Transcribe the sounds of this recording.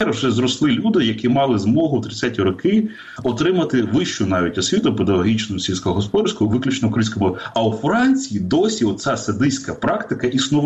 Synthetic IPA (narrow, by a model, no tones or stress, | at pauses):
ɛɾʒɛzɾɔslˠɪlʲud̪ɪjɐkimɑlˠɪzmɔɦʊt̪ɾɪsʲatʲiɾɔkɪ | ɔt̪ɾɪmɐt̪ɪʋɪʃt͡ʃʊnɑʋʲitʲɔsʲʋʲit̪ʊped̪ɐɦɔɦʲit͡ʃnʊsʲilʲsʲkɔɦɔɦɔspɔd̪ɾsʲkʊʋɪklʲʊt͡ʃnɔʊkɐinʲsʲkɔmɔɐwfɾɑnʲt͡sʲijid̪ɔsʲiɔt̪sʲasɐd̪ɪsʲkɐpɾɑkt̪ɪkɐʔisnɔʋ